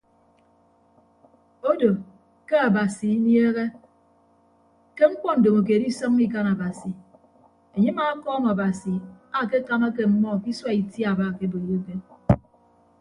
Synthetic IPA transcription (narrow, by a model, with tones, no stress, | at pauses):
o˦do˨ | ke˦a˨ba˨si˨i˦njeː˦ɣe˦ | ke˦ŋ̩˦kʷɔ˦n̩˨do˨ŋo˨k̬e˨di˦sɔ˦ŋ˦i˦k̬a˦na˨ba˨si˨ | e˨ɲi˦ma˦kɔː˦ma˨ba˨si˨ | a˦˨ke˦ka˦ma˦k̬e˦m̩˨mɔ˦˨ki˦swa˦i˨tja˨ba˦˨ke˦bo˨e˨ɾo˦ɡe˦n